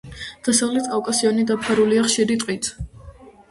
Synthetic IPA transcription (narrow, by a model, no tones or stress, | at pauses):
d̪̥asavlɛt̪ʰkʼavkʼasiɔnid̪apʰaɾuliaχʃiɾit̪ʼqʼit̪ʰ